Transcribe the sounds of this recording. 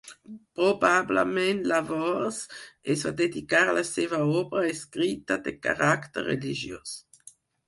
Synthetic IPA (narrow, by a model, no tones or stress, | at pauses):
pʁobablə̰mɛ̃nt̪lavɔsɛsvad̪ed̪ikaɾlʔasevaɔbɾaeskɾit̪ad̪eka̰ʁakt̪ə̰rːeliʒjo̰s